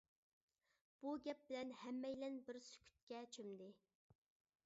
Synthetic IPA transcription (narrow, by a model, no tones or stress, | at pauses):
b̥uɡʲɛp̚bɪlɛnhɛmːɛjlɛnbɪɾsy̥kʲʰy̥t̪̚kʲɛt͡ʃʰømd̪ɪ